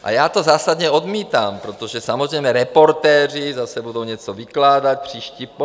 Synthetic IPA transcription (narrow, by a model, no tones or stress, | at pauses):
ʔa̰jaːt̪ɔzaːsad̪ɲɛɔd̪miːt̪ampɾɔt̪ɔʒɛsamɔzɾɛjmɛɾɛpɔɾt̪ɛːr̝izasɛbud̪uʊɲɛt͡sɔʋiklaːd̪ac̚pr̥iːʃcip